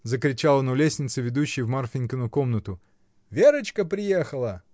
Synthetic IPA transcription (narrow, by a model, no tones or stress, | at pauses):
zəkɾʲɪt͡ɕalˠənʊlʲesʲnʲɪt̪səvʲɪd̪uɕːɪjvmarfʲɪnʲkənʊko̞mnət̪ʊ | vʲeɾət͡ɕkəpɾʲɪjexəlˠə